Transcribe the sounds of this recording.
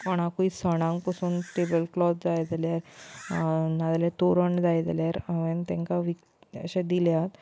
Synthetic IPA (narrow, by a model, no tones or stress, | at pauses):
pəɳ̃akuisəɽ̃ãŋɡpəsuːnʈebəlklɔt̪d͡zajd͡zaljaɾ | nad̪let̪oɾəɳɖd͡zajd͡za̰ljaɾəʋent̪ɛ̃ŋkaʋik | ə̰ɕẽd̪iljat̪